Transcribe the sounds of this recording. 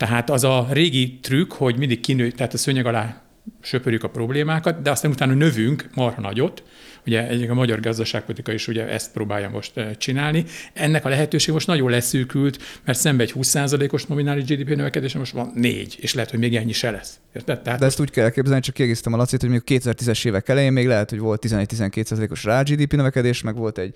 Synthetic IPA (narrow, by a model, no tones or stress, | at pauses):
t̪ɛɦaːt̪ɒzɒreːɡit̪rykho̞ɟmind̪ik̚kinøːjt̪ɛɦaːt̪ɒsøɲɛɡɒlaː | ʃøpøːɾjykɒpro̞bleːmaːkɒt̪d̪ɛɒst̪aːnut̪aːnɒnø̞vyŋkmɒrhɒnɒɟo̞t̪ː | uɟɛɛɒmɒɟɒrɡɒzd̪ɒʃaːk̚po̞lit̪i̥kɒiʃuɟɛʔɛ̰st̪̚proːba̰ːjːɒ̰mo̞̰ʃt̪t͡ʃinaːlniɛnːɛkɒlɛɦɛt̪øːʃeːɡɛmo̞ʃt̪nɒɟolɛsykylt̪mɛrt̪sɛmbɛɛchuːsːaːzɒleːko̞ʃno̞minaːliʒd͡ʒiːd̪iːpenøvɛkɛd̪eːʃɛmoʃt̪ʋɒnːḛːɟeːʃlɛɦɛt̪homeːɡɛɲːiʃɛlɛs | ert̪ɛt̪ɛɦaːt̪d̪ɛɛst̪uːckɛlːɛlkeːbzɛlnit͡ʃɒkːiɛɡeːsi̥t̪ɛmɒlɒt̪seːt̪hojmejkɒkeːt̪ɛzɛrt̪izɛʃeːvɛkɛlɛjeːmmeːɡlɛɦɛt̪ho̞ɟʋo̞lt̪ːizɛnɛc̚t̪izɛŋkeːt̪saːzɒleːko̞ʃraːd͡ʒiːd̪iːpinøvɛkɛd̪eːʃmɛɡʋo̞lt̪ɛɟ̥